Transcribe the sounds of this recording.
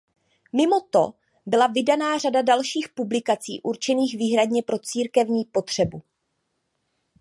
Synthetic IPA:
mɪmo̞t̪o̞̰ | bɪlavɪdanaːr̝adadalʃiːxpublɪkat͡sḭːʔuɾt͡ʃɛniːxviːɦɾadɲɛpɾo̞t͡siːɾkɛvɲiːpo̞t̪r̝̥ɛbu

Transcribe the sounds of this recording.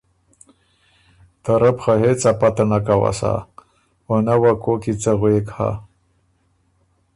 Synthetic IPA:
t̪aɾəpxaɦet͡sapat̪anakawa̰sa̰ | wanawakokit͡səɣwekha̰

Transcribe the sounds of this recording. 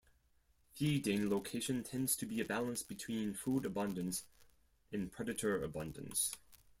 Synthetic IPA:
fidẽɪ̃nloʊkʰeɪʃɨ̃ntʰɛ̃ndz̥tʰɨbiɨbælˠə̃nsb̥ɨtʰw̥ĩnfuɾɨbʌ̃ndɨ̃ns | ʔɨ̃npʰɹ̥ɛɾɨɾə˞ɨ̰bʌ̃ndɨ̰̃ns

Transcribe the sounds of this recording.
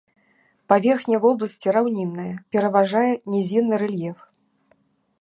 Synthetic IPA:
pavʲɛrxnʲɐvɔblˠɐsʲt͡sʲiɾawnʲinːɐjɐpʲɛɾɐvaʐajɛnʲɛzʲinːɨɾɛlʲjɛf

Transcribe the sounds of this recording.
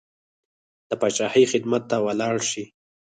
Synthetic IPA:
d̪̥əpɑt͡ʃahijxɪd̪mat̪ːawalɑɽʃi

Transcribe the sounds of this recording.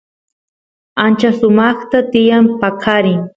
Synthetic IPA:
ant͡ʃasʊmɑχt̪at̪ɪjampakʰaɾɪŋ

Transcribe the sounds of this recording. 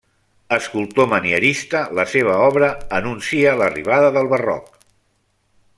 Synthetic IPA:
əskulˠt̪oməniəɾist̪ələseβ̞əɔβɾəənunsiələrḭβ̞aðəðəlˠβərɔ̰k̚

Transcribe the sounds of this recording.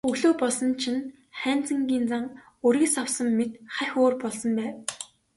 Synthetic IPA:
ɵɣɮoːpɔɮsɞ̆nt͡ɕʰɪ̆n | χæːnt͡sə̆ŋɡʲiːnt͡saŋ | ɵɾĭksawsɞ̆mːet̪χæxʲoːrpɔɮsɞ̆mpæːw

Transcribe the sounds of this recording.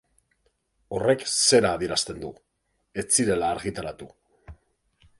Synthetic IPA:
o̞re̞kse̞ɾaːðieɾast̪e̞nd̪u | e̞t͡siɾe̞laːɾɣit̪aɾat̪u

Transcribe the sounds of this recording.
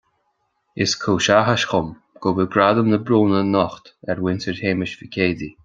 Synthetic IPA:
ɪskʰuːʃaɦaʃxʊm | ɡ̥ʊbəɡɾad̪əmnəbɾuːnənɔxt̪ɛɹwɪntəɹʰeːmɪʃvikʲʰeːd̪i

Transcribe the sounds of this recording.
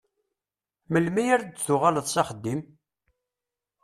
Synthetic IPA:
məlmæjæɾd̪θʊʁaləðˤsɑχəd̪ːim

